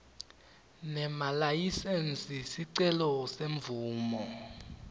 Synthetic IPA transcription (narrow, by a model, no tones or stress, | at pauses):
nɛmalajisɛnsisiǀɛlɔseɱvuːmɔ